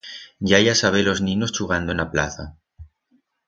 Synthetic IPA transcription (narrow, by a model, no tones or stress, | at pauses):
ɟ͡ʝajasaβ̞elo̞znĩnost͡ʃuɣand̪oenapla̰θa